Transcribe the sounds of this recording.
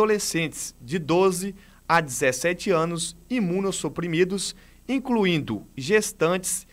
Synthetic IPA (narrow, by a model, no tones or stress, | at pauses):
olesẽnt͡ʃɪ̥sd͡ʒɪd̪ozɪ | ad͡ʒɪzesɛt͡ʃɪɐ̃nʊsimũnosupɾimid̪ʊs | ĩkluĩnd̪ʊʒest̪ɐ̃t͡ʃɪ̥s